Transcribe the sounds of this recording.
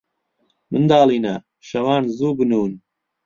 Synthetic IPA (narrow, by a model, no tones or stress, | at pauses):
mɨnd̪ɑːlˠiːnɐ | ʃɐwɑːnzuːbɨnuːn